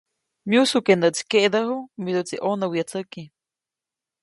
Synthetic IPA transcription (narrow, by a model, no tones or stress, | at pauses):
mjusukenət͡si̥keʔd̪əɦumid̪ut͡siʔonawjat͡səki